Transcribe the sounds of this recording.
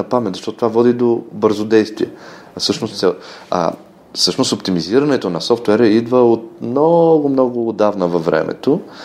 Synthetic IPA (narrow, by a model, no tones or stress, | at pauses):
ɐpamɛt̪zəʃt̪ɔt̪ot̪ovavɔd̪id̪obɤɾzod̪ɛjst̪viɛ | fsɤʃnost̪sɛa̰ | sɤʃnost̪opt̪imiziɾɐnɛt̪onɐsɔft̪wɛɾəid̪vəot̪̚mnɔɡʊmnɔɡʊːd̪avnəvɐvɾɛ̰mʔɛ̰t̪o